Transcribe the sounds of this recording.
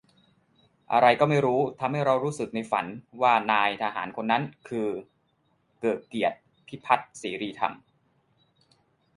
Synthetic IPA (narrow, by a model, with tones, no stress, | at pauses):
ʔa̰˧ɾa˧jkɔː˥˩ma˥˩jɾuː˦˥t̪ʰa˧mha˥˩jɾa˧wɾuː˦˥sɯ˨˩k̚na˧jfa̰˩˦nwaː˥˩naː˧jt̪ʰa˧ɦa̰ː˩˦nkʰo˧nːa˦˥nkʰɯː˧ | kɤː˨˩t̪̚ki˨˩ət̪̚ | pʰːiː˥˩pʰa˦˥t̪̚siː˩˦ɾiː˧t̪ʰa̰˧˩m